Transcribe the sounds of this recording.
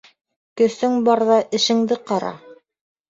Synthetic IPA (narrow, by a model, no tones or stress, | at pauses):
kɵ̆sɵŋbɑɾðɑʔɘ̆ʃɘ̆ŋd̪ɘqɑɾɑ̰